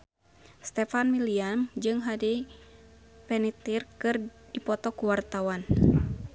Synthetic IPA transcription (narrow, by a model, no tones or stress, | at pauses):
st̪ɛfanmiliamd͡ʒɨŋɦadi | pɛnit̪irkɨrdipɔt̪ɔkuwart̪awan